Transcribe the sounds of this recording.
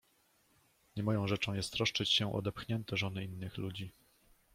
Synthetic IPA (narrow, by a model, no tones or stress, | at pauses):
ɲɛmɔjɔ̃w̃ʐɛt͡ʂɔ̃w̃jɛst̪ːɾɔʂt͡ʂɘt͡ɕɕɛʔɔ̰d̪ɛpxɲɛnt̪ɛʐɔnɘinːɘxlud͡ʑi